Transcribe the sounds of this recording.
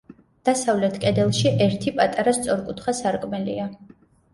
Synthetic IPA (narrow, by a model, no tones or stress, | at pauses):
d̪̥asavlɛt̪ʰkʼɛd̪ɛlˠʃiʔɛɾt̪ʰipʼat̪ʼaɾast̪sʼɔɾkʼut̪ʰχasaɾkʼmɛlḭa